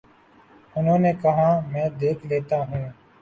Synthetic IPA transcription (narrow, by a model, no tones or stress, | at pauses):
ʊnɦõːneːkəɦãːmɛ̃ːd̪eːkʰleːt̪aːɦũː